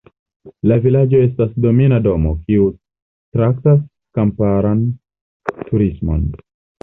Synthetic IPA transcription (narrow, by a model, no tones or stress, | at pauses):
lavilad͡ʒoe̞s̬tasdo̞minado̞mo̞kiu | tɾaktas | kampaɾan | tuɾismo̞̰n